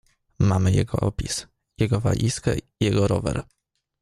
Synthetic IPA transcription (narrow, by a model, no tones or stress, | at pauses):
mamɘjɛɡɔʔɔpʲis | jɛɡɔva̰ʎʲʔiskɛ̰ijɛɡɔɾɔvɛ̰ɾ